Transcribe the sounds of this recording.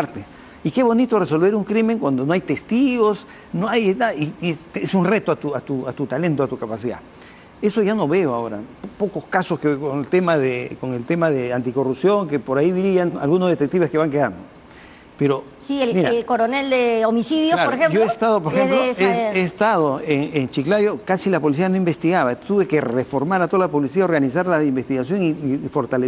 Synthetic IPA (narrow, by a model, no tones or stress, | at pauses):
aɾt̪e | ike̞βo̞nit̪o̞reso̞lβe̞ɾuŋkɾime̞ŋkwand̪onoajt̪e̞st̪iɣo̞s | noajenaðiesesunre̞t̪oat̪uat̪uat̪ut̪ale̞nt̪oat̪ukapasiða̰ | e̞so̞ʝano̞βe̞oaoɾa̰po̞ko̞skasoskekoŋelt̪emaðeko̞ŋe̞lt̪emaðeant̪iko̞rupsjo̞ŋke̞po̞ɾaiðiɾiana̰lɣunozðe̞t̪e̞k̚t̪iβeske̞βaŋkeða̰nd̪o | peɾo | siemiɾalkoɾoneld̪eomisiðjoslaɾoɾexemoest̪aðopoɾexemloeeːst̪að̞o̞eŋent͡ʃiklaðjokasilapo̞lis̬ianoimbe̞st̪iɣaβat̪uβe̞ke̞re̞fo̞ɾmaɾat̪o̞alapo̞lisiao̞ɾɣanis̬aɾlaimbest̪iɣasjo̞ŋiːfo̞ɾt̪ale